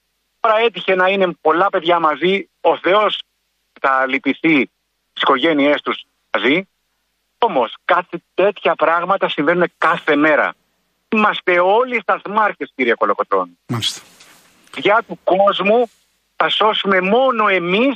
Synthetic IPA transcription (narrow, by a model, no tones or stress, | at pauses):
t̪o̞ɾɐe̞t̪̬içe̞nɐine̞po̞lɐpe̞ðʝɐmɐzi | o̞θe̞o̞s | et̪ɐlipiθi | t̪i̥si̥ko̞ʝe̞nie̞st̪us | mɐzi | o̞mo̞skɐθit̪e̞t̪çɐpɾɐɣmɐt̪ɐsiɱve̞nune̞kɐθe̞me̞ɾɐ̰ | imɐst̪e̞o̞list̪ɐzmɐɾçesciɾiɐko̞lo̞ko̞t̪ɾo̞̰nulist̪ | ðʝɐt̪uko̞zmu | θɐso̞sume̞mo̞no̞e̞mis